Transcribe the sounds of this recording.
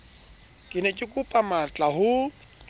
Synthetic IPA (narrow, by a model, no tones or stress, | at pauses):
kʼɪnɛkʼɪkʼupʼamat͡ɬʼaɦʊ